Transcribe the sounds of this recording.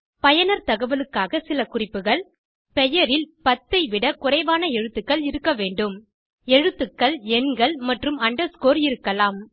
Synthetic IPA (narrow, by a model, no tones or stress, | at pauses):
pɐjɐnɐɾt̪ɐɣɐʋɐlɯkːaːɣɐsɪlɐkʊrɪpːɯɣɐɭ | pɛjɐɾɪlpɐt̪ːɐɪʋɪɽɐkʊrɐɪʋaːnɐɛɻɯt̪ːɯkːɐɭɪɾɯkːɐʋeːɳɖɯm | ɛɻɯt̪ːɯkːɐɭɛnɡɐɭmɐʈrɯmɐɳɖɐɾskoːɾɪɾɯkːɐlaːm